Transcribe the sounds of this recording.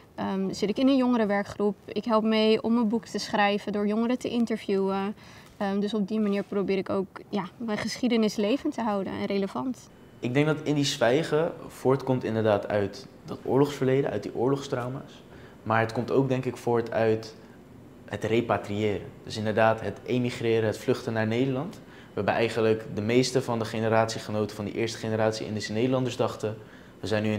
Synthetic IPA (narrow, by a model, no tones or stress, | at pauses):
əz̥ɪtɪkɪnənjɔŋəɾəʋɛɹkχrupɪkɦɛlˠp̚mejɔ̰mːənbuktəsχrɛjvədʊːɹjɔŋəɾətəʔɪntəɹv̥juə | dɵsɔb̚dimaniːɹprowbɪːɾɪkowkjamɛnχəsχidənɪslejvəntəɦɑwdə̰n̰reləvɑnt | ʔɪɡ̚dɛŋɡ̚dɑtɪndisʋɛjχəv̥ʊːɹtkɔmtɪndəɹdaːtʰœ̰ɥt | dɑtʊ̰ːɹlɔχsfəɹlejdə̰ʔœ̰ɥt̚diʔʊːɹlɔχstrɔwmaːs | maːɹɦətkɔmtowɡ̚dɛŋkɪkfʊːɹtʰœɥt | ɦətrejpatriɪːɾə̰d̥ɵsɪndəɹdaːtɦətʔemiχrɪːɾəɦətflɵχtənaːɹnejdəɹlɑnt | ʋəɦɛbənʔɛjχənləkdəmejstəvɑndəχejnəɾaːtsiχənowtəvɑndə̰ʔɪːɹstə̥χejnəɾaːtsiɪ̰ndezənejdəlɑndəɹzdɑχtə | ʋəzɛjnːy